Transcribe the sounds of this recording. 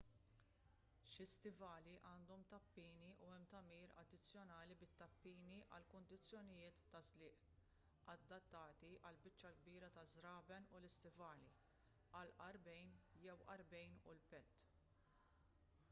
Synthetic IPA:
ʃɪst̪ɪvɐːliʔɐːnd̪ɔmt̪ɐpːiːniʔuɛmːt̪ɐmiːɾɐ̰d̪ːɪt͡sːjɔnɐːlibɪt̪ːɐpːiːniʔɐ̰lkʊnd̪ɪt͡sːjɔnɪjɪːt̪ːɐzlɪːʔ | ɐd̪ːɐt̪ːɐːt̪iʔɐlbɪt͡ʃːɐlɡ̚biːɾɐt̪ɐzɾɐːbɛnulɪst̪ɪvɐːli | ɐlʔɐɾbɛjnjɛwʔɐɾbɛjnṵlpɛt̪ː

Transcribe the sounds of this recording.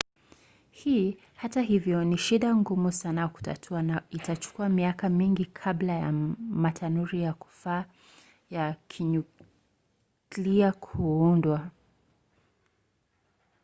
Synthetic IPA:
hiː | hataɦivjɔniʃiɗaŋɡumusanajaku̥ta̰tʰuanaitat͡ʃu̥kuamiakamiŋɡikʰablaja̰matʰanuɾijaku̥faː | jakʰiɲu | liakʰuundwa

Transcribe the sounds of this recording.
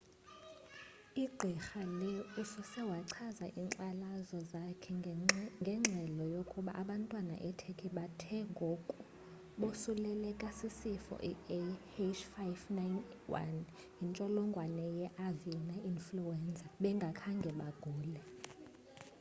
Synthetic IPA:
iɡ͡ǀʱixalɛusɔsɛwaǀʰazaʔiːǀalazɔzakʰɛŋɡʱɛŋ͡ǁʱɛlɔjokʼuɓa̰ʔaɓantʼwana̰ʔɛtʰekʼʰiɓatʰɛŋɡʱokʼu | ɓosulɛlɛkʼasisifɔ̰ʔihet͡ʃfajfnajnwa̰n | jint͡ʃʼɔlɔŋɡʱwanɛjɛʔavinainfluɛnd͡zʱʼaɓɛŋɡʱakʰaŋɡʱɛɓaɡ̥ʱuːlɛ

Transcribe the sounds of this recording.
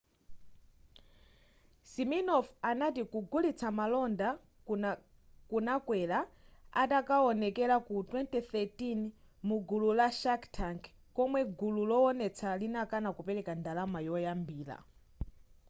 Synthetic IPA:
siminɔfanatikuɡulit͡sʰamalɔnda | kunakwɛla | atakaɔnɛkɛlakutwɛntiθɛtin | muɡululaʃaktʰaŋk | kɔmwɛɡululɔɔnɛt͡sʰalinakanakupɛɾɛkandalamajɔjambiːla̰

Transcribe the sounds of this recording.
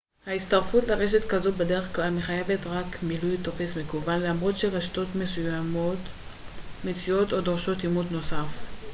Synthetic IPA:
hait͡staʁfutleʁeʃetkazobe̞de̞ʁeχklalameχaje̞ve̞tʁakmilujt̪o̞fe̞smekuvanlamʁo̞tʃeʁeʃto̞tme̞sujamo̞t | met͡sio̞to̞doʁʃo̞timut̪no̞saf

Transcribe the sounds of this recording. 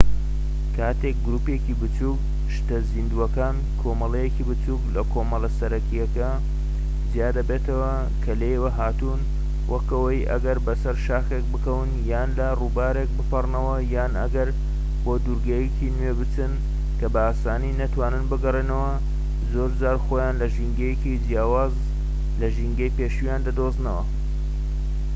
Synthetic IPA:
kʰaːt̪e̞k̚ɡɾuːpekibɨt͡suk | ʃt̪ɐzind̪uɐkaːn | kʰo̞mɐlɐjecibɨt͡suːklɐkʰomɐlɐsɐɾɐkijɐkɐ | zijaːd̪ɐbeːt̪ɐwɐ | kʰɐlejwɐɦaːt̪un | wʔɐkɐwɐjʔɐ̰ɡɐɾbɐsɐɾʃaːxek̚bɨkɐwɨnjaːnlɐruːbaːɾek̚bɨpɐrnɐwɐjaːnɐɡɐɾ | boːd̪uɾɡɐjekʰinwebɨt͡sɨn | kɐbɐaːsaːniːnɐt̪waːnɨnbɨɡɐrenɐwɐ | zoːɾd͡zaːɾxoːjaːnlɐʒiŋɡɐjekid͡ʒjaːwaːz | lɐʒiŋɡɐjpeːʃujaːnd̪ɐd̪oznɐwɐ̰

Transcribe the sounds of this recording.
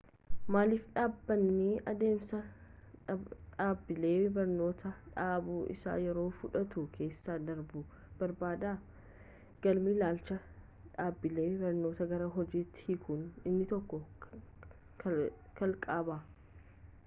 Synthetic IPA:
maːlɪfᶑaːbːɐnːiːʔɐd̪e̞ːmsɐ | ᶑaːbːɪle̞ːbɐɾno̞ːt̪ʰɐᶑaːbuːʔɪ̰sa̰ːjɛɾo̞ːfʊᶑɐt̪ʊkʰe̞ːsːaːd̪ɐɾbʊ | b̥ɐɾbaːd̪aː | ɡ̥ɐlmiːlaːlt͡ʃɐ | ᶑaːbːɪle̞ːbɐɾno̞ːt̪ɐɡɐɾɐɦɔd͡ʒiːt̪ːhikʰʊnɪnːɪt̪ɔkːɔ | kɐlkʼaːbaː

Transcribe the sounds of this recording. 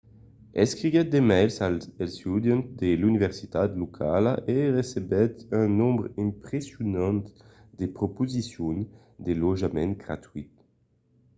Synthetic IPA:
ɛskʁivɛt̪̚d̪emɛlsalelst̪ud̪jɔ̃nt̪d̪elynivɛʁsit̪at̪lokʰalaʔeʁesebɛt̪ɛ̃nɔ̃mbʁĩmpχesjonɑ̃nt̪ | d̪epʁopozisjon | d̪eloʒamɛ̃nt̪̚ɡʁa̰t̪ɥit̪̚

